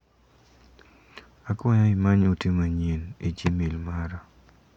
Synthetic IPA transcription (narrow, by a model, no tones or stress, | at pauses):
akɔɲɔɪmaɲutimaɲened͡ʒimilmaɾa